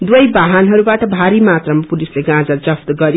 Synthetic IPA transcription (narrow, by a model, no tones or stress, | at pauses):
d̪wʌjbaɦanɦʌɾubaʈʌbʱaɾimat̪rʌmapulisleɡãd͡zʌrd͡zʌpt̪ɡʌɾi